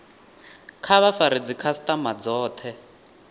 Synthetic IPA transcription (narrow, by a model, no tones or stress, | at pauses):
kʰaβafaɾid͡zikʰastamad͡zɔːt̪ʰɛ